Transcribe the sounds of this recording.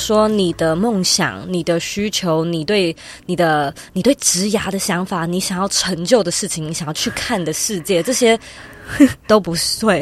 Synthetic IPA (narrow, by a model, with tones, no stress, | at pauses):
ʂwɔ˥ni˨˩d̪ə˦mo˥˩ŋɕjɑ̰˨˩ŋni˨˩d̪ə˦ɕy˥t͡ɕʰjo˧˥ʊni˨˩t̪we˥˩ɪ | ni˨˩d̪ə˦ | ni˨˩t̪we˥˩ɪʈ͡ʂɻ̩˧˥ja˧˥d̪ə˧ɕjɑ˧˥ŋfa˨˩˦ni˧˥ɕjŋjɑ˥˩ʊʈ͡ʂʰə˧˥ŋt͡ɕjʊd̪ə˩ʂɻ̩˥˩t͡ɕʰi˨˦ŋni˧˥ɕjɑ˥˧t͡ɕʰy˥˧kʰa˥˩nd̪ə˩ʂɻ̩˥˧t͡ɕjɛ˥˩ʈ͡ʂɤ˥˩ɕjɛ˥ | t̪o˥ʊpu˧˥t̪we˥˩ɪ